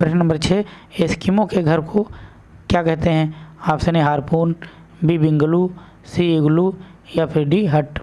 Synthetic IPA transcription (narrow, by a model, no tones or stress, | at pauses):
pɾɐʃnnɐ̃mbəɾt͡ʃʰeː | eskimõkeɡʱɐɾkʰo | kjaːkɛɦt̪eɦɛ̃ːaːpseneɦaːɾpuːn | bibɪ̃ŋɡlu | siɪɡlu | japʰɪɾɖiɦɐʈ